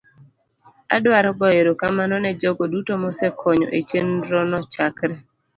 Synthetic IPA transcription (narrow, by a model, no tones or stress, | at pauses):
a̰dwaɾɔbɔeɾokamanɔnɛd͡ʒoɡodutomɔsɛkʰɔɲɔ̰ʔet͡ʃenɾɔnɔt͡ʃakɾɛ